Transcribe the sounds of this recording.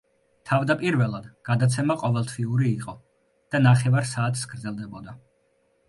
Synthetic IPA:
t̪ʰavd̪apʼiɾvɛlˠad̪ɡ̥ad̪at̪sʰɛmaqʼɔvɛlˠt̪ʰviuɾiːqʼɔ | d̪̥anaχɛvaɾsaːt̪ʰsɡɾd̪zɛlˠd̪ɛbɔd̪a

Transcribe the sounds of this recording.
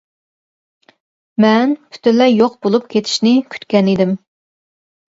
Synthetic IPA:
mɛnpʰy̥t̪ʰɪnlːɛjoqbolˠup̚kʲʰet̪ʰɪ̥ʃnɪkʲʰy̥t̪kʲɛnid̪ɪm

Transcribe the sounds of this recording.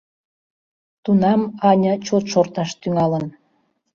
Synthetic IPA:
t̪unɑmɑnʲə̆t͡ɕot̪ʃort̪ɑʃt̪yŋɑlən

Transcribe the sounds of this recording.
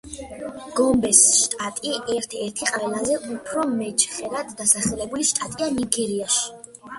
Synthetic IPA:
ɡ̥ɔmbɛsʃt̪ʼat̪ʼiɛɾt̪ʰɛɾt̪ʰiqʼaɾɛlazɛʔupʰɾɔmɛt͡ʃχɛɾad̪ːasaχɛlɛbuliʃt̪ʼat̪ʼianiɡɛɾiaʃi̥

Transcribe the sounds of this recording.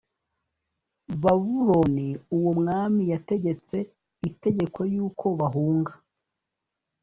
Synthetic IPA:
βaβuɾoniuwomŋaːmijate̞ɟe̞t͡se̞ | ite̞ɟe̞ko̞juːkʰo̞βaɦuːŋɡa

